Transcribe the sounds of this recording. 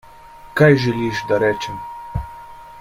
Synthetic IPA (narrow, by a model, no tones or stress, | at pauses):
kajʒɛliʃd̪aɾɛːt͡ʃɛm